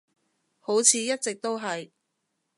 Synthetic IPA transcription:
ho˨˥wt͡sʰiː˨˧jɐ˥t̚t͡sɪ˨k̚t̪o˥wɦɐ˨j

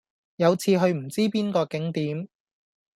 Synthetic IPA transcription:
jɐ˨˧wt͡sʰiː˧ɦɵ˧ɥm̩˨˩t͡siː˥piː˥nkɔː˧kɪ˨˥ŋt̪iː˨˥m

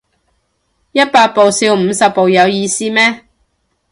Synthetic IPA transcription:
jɐ˥t̚paː˧t̚po˨wsi˧wm̩˨˧sɐ˨p̚ːo˨wjɐ˨˧wjiː˧siː˥mɛː˥

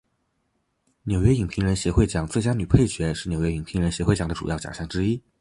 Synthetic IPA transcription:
njo˨˩ʊɥɛ˥i˨˩ŋpʰi˧˥ŋɻə˧˥nɕjɛ˧˥xwe˥˩ɪt͡ɕjɑ˨˩ŋt͡swe˥˩ɪt͡ɕja˥ny˨˩pʰe˥˩ɪɕɥɛ˧˥ʂɻ̩˥˩njo˨ʊɥɛ˥i˨˩ŋpʰi˧˥ŋɻə˧˥nɕjɛ˧˥xwe˥˩ɪt͡ɕɑ˨˩ŋd̪ʈ͡ʂṵ˨˩jɑ˥˩ʊt͡ɕjɑ̰˨˩ŋɕjɑ˥˩ŋʈ͡ʂɻ̩˥i˥

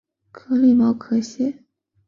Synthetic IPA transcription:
kʰɤ˧˥li˥˩mɑ˧˥ʊkʰɤ˧˥ɕjɛ˥

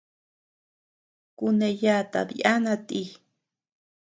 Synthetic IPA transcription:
kune˧ja˦t̪a̰bḭ˨ʔa˦nat̪i˦

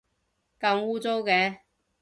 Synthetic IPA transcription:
kɐ˧muː˥t͡so˥wkɛː˧

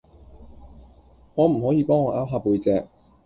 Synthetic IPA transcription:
ŋɔː˨˧m̩˨˩ɦɔː˨˥jiː˧pɔː˥ŋɔː˨˧ʔaː˥wɦaː˧pːuː˧jt͡sɛː˧k̚

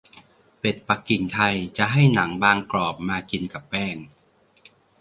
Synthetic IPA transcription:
pe˨˩t̪̚pa˨˩kːi˨˩ŋt̪ʰa˧jt͡ɕa˨˩ʔɦa˥˩jna˩˦ŋbaː˧ŋklɔː˨˩p̚maː˧ki˧nka˨˩pːɛː˥˩ŋ

